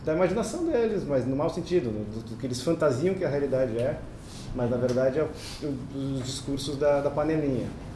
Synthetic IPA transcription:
d̪ɐimaʒinasɐ̃w̃d̪elɪsmɐznʊmawsẽnt͡ʃid̪ʊnʊd̪ʊʊkɪelɪsfɐ̃nt̪aziɐ̃w̃kɪɐɦealid̪ad͡ʒɪɛ | mɐznɐveɾd̪ad͡ʒɪɛ | ʊʊzd͡ʒiskuɾsʊzd̪ɐd̪ɐpɐ̃nd̪ẽmĩɲɐ̰

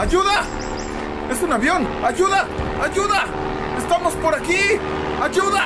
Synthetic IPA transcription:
aʝuða | esunaβjo̞naʝuða | aʝuða | est̪amospoɾaki | aʝuða

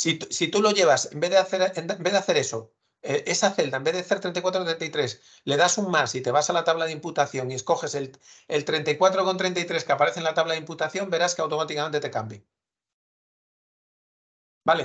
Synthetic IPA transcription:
sit̪usit̪ulo̞ʝe̞β̞asembe̞ðeaθeɾenmbe̞ðe̞aθe̞ɾe̞so̞ | eʔe̞saθe̞ld̪aembeðaθeɾt̪ɾenakwat̪ɾot̪ɾent̪aijt̪ɾe̞s | le̞ðasuŋmasit̪e̞β̞asalat̪aβlaðimput̪aθjo̞ŋiesko̞xe̞se̞lelt̪ɾe̞nt̪aikwat̪ɾo̞ko̞nt̪ɾe̞nt̪ajt̪ɾe̞skeapaɾe̞θenlat̪aβlaðimput̪aθjo̞mbe̞ɾaskawt̪o̞mat̪ikament̪e̞t̪e̞kambji | bale

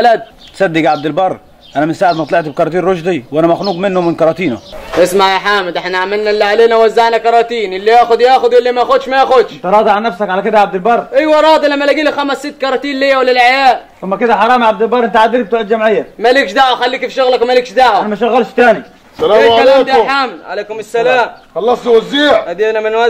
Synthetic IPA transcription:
lad̪̚ | sad̪ːɪɡʕab̚d̪ɪlbɑrˤ | ʔanæmɪnsaːʕɪd̪mɑt̪ˤlɪʕt̪b̚kɑɾˤɑːt̪iːnɾʊʒd̪ˤiwʔanæmaxnuːɡmɪnːʊmɪnkɑɾˤɑːt̪iːnʊʔɪsmaʕjaħaːmɪd̪ʔɪħnaʕmalnalːiʕaleːnawazːaʕnakɑɾˤɑt̪iːnʔɪlːijaːxʊd̪jaːxʊd̪wɪlːimaxʊd̪ʃmajaxʊd̪ʃt̪ɑɾˤɑːd̪ˤɑʕanæfsakʕalækɪd̪æʕab̚d̪ɪlbɑrˤʔijwɑɾˤɑːd̪ilamːalæɡiːlixamasːit̪ːkɑɾˤɑt̪iːnlijawlɪlʕajaːʔʔamːakɪd̪aħɑɾˤɑːmʕab̚d̪ɪlbɑɾˤʔɪnt̪aʕad̪ːiɾk̚bt̪ːʕɪd̪d͡ʒamʕɪjːamalikʃd̪aʕaxalːiːkfʃʊɣlakwmaliːkʃd̪aʕaanamaʃaɣːalʃt̪aːni | salaːlaːmːd̪aħaːmlʕa̰leːkʊmɪsːalaːmxɑlːɑsˤniwazːiːʕhad̪eːnamɪnwa

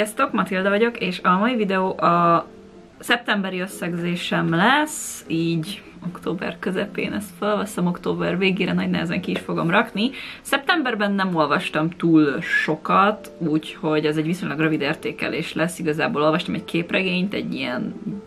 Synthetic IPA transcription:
ɛst̪o̞kmɒt̪ild̪ɒvɒɟo̞keːʃɒmɒivid̪ɛoːʔɒ | sɛp̚t̪ɛmbɛɾiø̞sːɛɡzeːʃɛmlɛsiːɟ | o̞kt̪oːbɛ̰rkøzɛpḛːnɛst̪følvɒsɒmo̞kt̪oːbɛrveːɡeːɾɛnɒɟnɛ̰ɦɛzɛ̰ŋkiːʃfo̞ɡo̞mrɒknisɛp̚t̪ɛmbɛrbɛnːɛmo̞lvɒʃt̪ɒmt̪uːlʃo̞kɒt̪uːcho̞ɟɛzɛɟviso̞ɲlɒɡrøvid̪eːrt̪eːkɛ̰leːʃlɛsːiɡɒzaːboːlo̞lvɒʃt̪ɒmɛckʰeːprɛɡeːɲt̪ɛ̰ɟːiɛ̰n

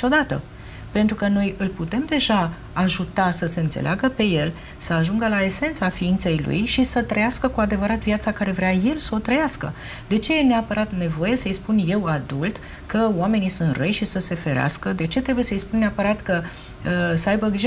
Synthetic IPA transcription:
o̞d̪at̪ə̰ | pe̞nt̪ɾukəno̞jɨlput̪e̞md̪e̞ʒa | aʒut̪asəse̞ɨnt̪seleaɡəpe̞je̞l | səaʒuŋɡəlae̞se̞nt̪safiint̪se̞jlṵjʃisət̪ɾəjaskəkuad̪e̞vəɾat̪viat̪sakaɾe̞vɾeaje̞lsəot̪ɾəjaskə̰ | d̪e̞t͡ʃe̞jeneapəɾat̪ne̞vo̞je̞səjspunje̞wad̪ult̪ | kəoame̞nisunt̪rejʃisəse̞fe̞ɾea̰skəd̪e̞t͡ʃet̪ɾe̞buje̞səjspunneapəɾat̪kə | səajbəɡɾiʒ

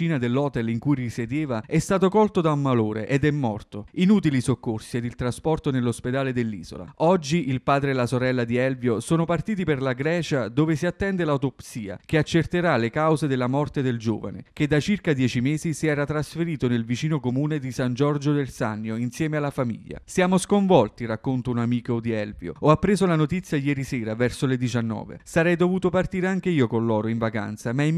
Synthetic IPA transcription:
iːnad̪elːɔːt̪ɛliŋkujrised̪eːvaɛst̪aːt̪okɔlt̪od̪aumːaloːɾḛʔɛd̪ɛmːɔ̰rt̪oinuːt̪̬ilisokːorsied̪ilt̪ɾaspɔrt̪onelːosped̪aːled̪elːḭːz̥o̰la̰ɔd͡ʒːiʔilpaːd̪ɾeːlasoɾɛlːad̪iɛlvjosoːnopart̪iːt̪̬iperlaɡɾɛːt͡ʃad̪oːvesiat̪ːɛnd̪elaut̪opsiːa̰keat͡ʃːert̪eɾalekawzed̪elːamɔrt̪ed̪eld͡ʒo̰ːva̰nḛk̟ed̪ːat͡ʃirkad̪jɛːt͡ʃimeːzisiɛːɾat̪ɾasfeɾiːt̪onelvit͡ʃiːnokomuːned̪isand͡ʒɔrd͡ʒod̪elsa̰nːjoinsjɛːmealːafamḭʎːa̰sjaːmoskoɱvɔlt̪irakːont̪ounamiːkod̪iɛlvjo̰ɔapːɾeːzolanot̪it̪sːjajɛːɾisɛːɾavɛrsoled̪it͡ʃanːɔ̰ːvḛsaɾɛjd̪ovuːt̪opart̪iːɾeaŋk̟eiːokonlɔːɾoiɱvaka̰nt̪samai

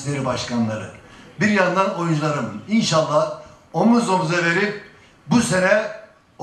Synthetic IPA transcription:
lʲe̞ɾibaʃkanlˠaɾɯ̰biɾjand̪ano̞jund͡ʒlˠaɾɯminʃalˠːah | omuzomuzave̞ɾip̚ | buse̞nɛ

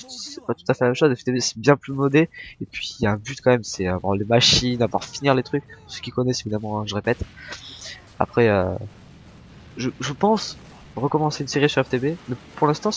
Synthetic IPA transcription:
sɛ̥pat̪u̥t̪afɛlamɛmʃozɛft̪ebesɛ̥bjɛ̃plymɔd̪eepɥijaɛ̃byt̪kɑ̃mɛmsɛavwa̰ʁlemaʃinavwa̰ʁfiniʁlet̪χyk̚ʲsə̥kʲikɔnɛsevid̪amɑ̃ɛ̃ʒəʁepɛt̪ | a̰pχɛø | ʒəʒəpɑ̃s | ʁəkɔmɑ̃seynseʁisyʁɛft̪ebemɛpuʁlɛ̃st̪ɑ̃

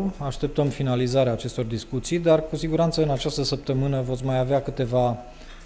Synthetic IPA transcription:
aʃt̪e̞p̚t̪əmfinalizaɾeaːt͡ʃe̞st̪o̞rd̪iskut̪sijd̪arkusiɡuɾant̪səɨnat͡ʃast̪əsəp̚t̪əmɨnəvo̞t̪sʲmajaveakɨt̪e̞va

